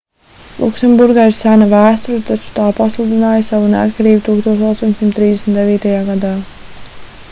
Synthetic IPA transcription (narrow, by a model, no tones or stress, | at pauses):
lˠṵksɛmbuɾɡaːiɾsænavæːst̪uɾt̪at͡ʃu̥t̪aːpaslˠud̪inaːjəsavunea̰t̪kaɾiːbt̪uːkst̪oɔːt̪ɔst̪oɔɲʲsimt̪ːɾiːd̪esmʲit̪d̪eviːt̪ajaːɡad̪aː